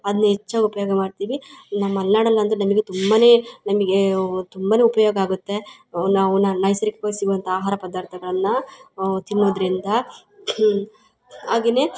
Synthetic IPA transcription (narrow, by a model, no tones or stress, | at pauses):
ɐd̪ɐnːɐɦet͡ʃːaːɡɐupɐjoɡɐmaːɖt̪iːʋinɐmːɐɐlːaːɽɐlːɐnd̪ɾenɐmiɡet̪umbɐne̞ːnɐmiɡet̪umbane̞ːupɐjoːɡɐaːɡut̪ːe̞ | ɐnaɐʋnɐnɐjsɐɾikekoːjsiɡuʋɐnt̪ʰɐaːɦaːɾɐpɐd̪aːɾt̪ʰɐɡɐɭɐnːɐt̪inːoːd̪ɐɾind̪ɐ | aːɡeːne̞